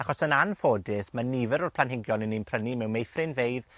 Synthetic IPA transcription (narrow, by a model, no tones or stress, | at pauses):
aχɔsənanfoːdɪsmanivəɾʊrpʰlˠanhɪŋɡjɔnəninpʰrənimɛwmejfrɪnvejð